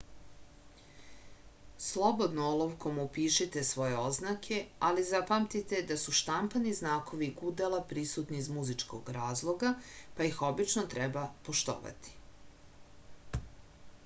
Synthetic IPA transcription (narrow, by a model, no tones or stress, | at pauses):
slˠo̞bo̞d̪noolˠoʋko̞mupiːʃit̪e̞sʋo̞je̞o̞znakʰe̞alizapamt̪it̪e̞d̪asuʃt̪ampaniznaːko̞ʋiɡud̪alˠapɾisut̪niːzmuzit͡ʂko̰ɡɾaːzlˠo̞ɡapaixo̞bit͡ʃnot̪ɾɛbapoʃt̪o̰ːʋa̰t̪i̥